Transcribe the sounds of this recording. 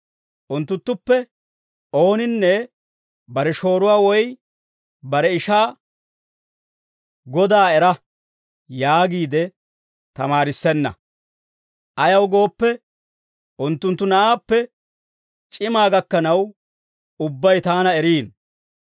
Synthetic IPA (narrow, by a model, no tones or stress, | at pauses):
ʔʊnt̪ːʊnt̪ːʊpːɛ | o̞ːnɪnːɛ | bɐɾɛʃo̞ːɾʊwaːwɔj | bɐɾɛɪʃaː | ɡɔd̪aːɛɾɐ | jaːɡiːd̪ɛ | t̪ɐmaːɾɪsːɛnːɐ̰ | ʔɐjɐwɡo̞ːpːɛ | ʔʊnt̪ːʊnt̪ːʊnɐʔaːpːɛ | t͡ʃʼɪmaːɡɐkːɐnɐw | ʊbːɐjt̪aːnɐɛɾiːn